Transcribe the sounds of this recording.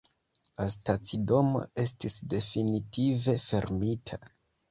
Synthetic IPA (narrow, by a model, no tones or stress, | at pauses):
lastat͡sido̞mo̞̰e̞stisde̞finitʰive̞fe̞ɾmitʰa